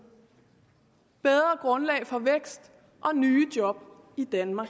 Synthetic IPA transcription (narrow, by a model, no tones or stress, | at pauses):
b̥eð̞ˠʁɐɡ̥ʁɔ̽nlɛ̰ːɪfɒ̽ʋeɡ̥sd̥ | ʔɒ̽nyːd̥jɒ̽b̥ | id̥ænmɑ̥̈ː